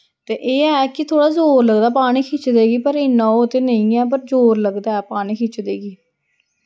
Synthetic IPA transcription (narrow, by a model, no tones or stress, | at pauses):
t̪eːʔeːɛːkɪt̪ʰoːɽaːzoːɾləɡd̪aːpaːɽ̃iːkʰɪːt͡ʃd̪eːɡiːpəɾeːnãːoːt̪eːnəĩːɛːp̬əɾzoːɾləɡd̪aːɛːpaːɽ̃iːkʰɪt͡ʃd̪eːɡiː